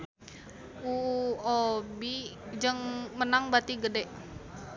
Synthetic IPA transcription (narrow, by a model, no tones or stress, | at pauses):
uobid͡ʒəŋmənaŋbat̪iɡədɛʔ